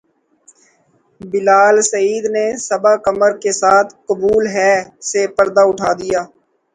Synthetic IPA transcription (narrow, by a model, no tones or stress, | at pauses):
bɪlaːlsəiːd̪nesəbakəməɾkesaːt̪ʰkʊbuːlɦɛsepəɾd̪aʊʈʰaːd̪ɪjaː